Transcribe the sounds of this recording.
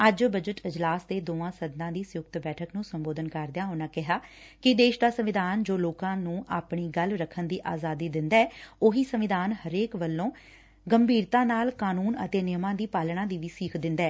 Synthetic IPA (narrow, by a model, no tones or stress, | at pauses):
əd͡ʒbəd͡ʒəʈɪd͡ʒlaːsd̪eːd̪oːãːsəd̪nãːd̪iːsʊjʊk̚t̪bɛːʈʰəknũːsəmboːd̪ənkəɾd̪ɪjãːɦʊnãːkɪɦaː | kɪd̪eːʃd̪aːsəmʋɪd̪aːnd͡ʒoːloːkãːnũːʔaːpɳiːɡəlɾəkʰənd̪iːʔaːzaːd̪iːd̪ɪnd̪aɛːoːɦiːsəʋɪd̪aːnhəɾeːkʋəlːõː | ɡəmbʱiːɾt̪ãːnaːlkaːnuːnə̰t̪eːnɪjmãːd̪iːpaːlɽãːd̪iːʋiːsiːkʰd̪ɪ̃nd̪aː